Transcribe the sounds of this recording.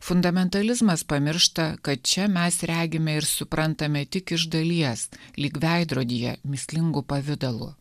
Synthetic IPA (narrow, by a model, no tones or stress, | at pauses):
fʊnd̪ɐmʲɛnt̪ɐlʲɪzmɐspɐmʲɪɾʃt̪ɐkɐt̪̚t͡ʃʲɛmʲɛsɾʲæːɡʲɪmʲɛɪɾsʊpɾɐnt̪ɐmʲɛt̪ʲɪkɪʒd̪ɐlʲiɛslʲiːkʋʲæˑɪd̪ɾoːd̪ʲijɛ̰mʲɪsʲlʲɪŋɡʊpɐʋʲɪd̪ɐlˠʊ̰